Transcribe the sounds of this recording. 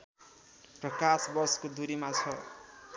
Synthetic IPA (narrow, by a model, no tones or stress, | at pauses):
prʌkasbʌrskod̪ʱuɾimat͡sʰʌ